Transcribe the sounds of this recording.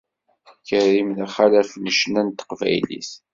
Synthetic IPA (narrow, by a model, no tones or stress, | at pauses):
kərːimðæχalæfnəʃnænt̪ə̥qvæ̰jlḭs